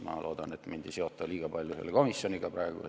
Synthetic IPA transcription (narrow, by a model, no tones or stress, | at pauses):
mɑ̰ːlʔoːd̪̥ɑnet̪mind̥̪iseot̪ːˑɑliːɡ̥ɑpɑlʲjoyhelkomisːoniɡ̥ɑprɑeɡ̥ṵ